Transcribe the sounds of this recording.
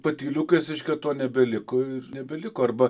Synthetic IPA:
pɐt̪ʲiːlʲuːkeːsʲɪʃʲkʲɛt̪oːnʲɛbʲɛlʲɪkoɪrnʲɛbʲɛlʲɪkoːɐrbɐ

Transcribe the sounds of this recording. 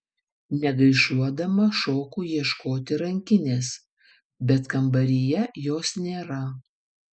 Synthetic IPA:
nʲɛɡɐɪʃuɔd̪ɐmɐʃoːkuːjiɛʃkoːt̪ʲɪɾɐŋʲkʲɪnʲeːs | bʲɛt̪kɐmbɐɾʲɪjɛjoːsnʲeːɾɐ

